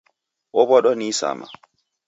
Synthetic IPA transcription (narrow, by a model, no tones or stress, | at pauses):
ʔɔbɔɗɔnisa̰ma̰